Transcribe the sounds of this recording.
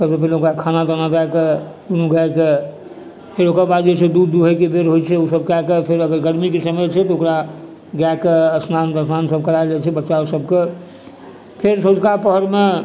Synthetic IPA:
səbsep̬əileokɾakʰanad̪ənad̪aeke | d̪unuɡaeke | pʰeɾokəɾbad̪d͡ʒet͡ʃʰɛd̪ud̪ːuɦəjkebeɾɦojt͡ʃʰɛusəb̚kakepʰeɾəɡəɾɡəɾmikesəmət͡ʃʰɛt̪ɔokɾa | ɡakeəsnant̪əsnansəb̚kəɾaed͡ʒɛt͡ʃʰɛbətːʃausəbke | pʰeɾsod͡ʒkapəɦəɾme

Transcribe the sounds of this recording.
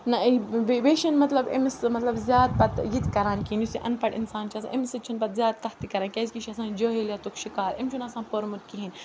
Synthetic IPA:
nɐʋeʋeːʃɐnmɐt̪lɐbḭmsmɐt̪lɐbzjaːd̪̚pɐt̪jit̪kɐɾaːnkinjusiʔɐ̰npɐʈḭnsaːnt͡ʃʰɐsã̰ʔimsɨt͡ʃʰinpɐt̪zʲjaːt̪̚k̪ɐht̪ikɐɾaːnkʲɐzʲkiʃiɐsãːnd͡ʒoːɦiljat̪okʃikaːɾimt͡ʃʰunɐsãːpoɾmut̪̚kiɦin

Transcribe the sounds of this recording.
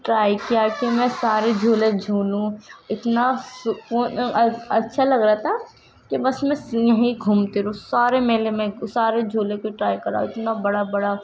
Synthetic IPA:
ʈɾaːikijaːkimɛ̃saːɾed͡ʒʱoːlẽd͡ʒʱuːlũɪt̪nasʊkuːnɐtːʃʰalɐɡɾat̪ʰa | kibɐsmɛ̃sjɐɦĩɡʱuːmt̪eɾũsaːɾemeːlemɛ̃saːɾed͡ʒʱoːlekoʈɾaːikɐɾã̰ɪt̪nabɐɽabɐɽa

